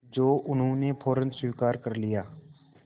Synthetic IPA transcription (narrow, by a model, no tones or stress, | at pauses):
d͡ʒoːʔʊnɦõnepʰoːɾənswiːkaːɾkɐɾlɪjaː